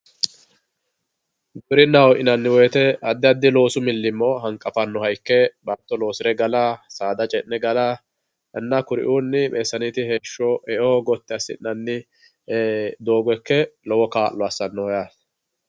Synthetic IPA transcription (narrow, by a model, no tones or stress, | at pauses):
ɡʊʊɾɪnːɐwɔʔɪnɐnːɪwɔjt̪ɛɐd̪ːɪɐd̪ːɪlo̞ːsʊmɪlːɪmːɔɦɐŋkʼɐfɐnːɔhɐjkːɛbɐnt̪ːɔlo̞ːsɪɾɛɡɐlaːsaːd̪ɐt͡ʃʼɛnnɛɡɐlaː | ɛnːɐkʊɾɪ̰ʔuːnːɪmeːsːɐnɪt̪ɪheːʃːɔhɛʔoːɡɔt̪ːɪɐsːɪ̰nnːɐnːɪ | d̪oːɡɛkːɛlɔwɔkaːlːɔɐsːɐnːɔɔjaːs